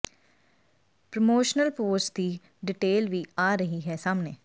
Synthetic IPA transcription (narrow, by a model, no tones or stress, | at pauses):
pɾəmoːʃnəlpoːsd̪iː | ɖɪʈeːlʋiːaːɾəɦiːɦɛːsaːmneː